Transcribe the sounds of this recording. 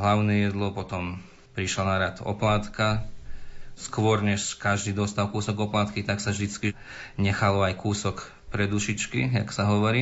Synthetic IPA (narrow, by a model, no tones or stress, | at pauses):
ɦlaʊnɛjɛd̪lɔpɔt̪ɔm | pɾiʃlanaɾat̪ɔ̰plaːt̪ka | skʋɔɾɲɛʃkaʒd̪iːd̪ɔst̪aʊkuːsɔɡɔplaːt̪kit̪aksavʒd̪it͡ski | ɲɛxalɔajkuːsɔk | pɾɛd̪uʃit͡ʃkiaksaɦɔʋɔɾiː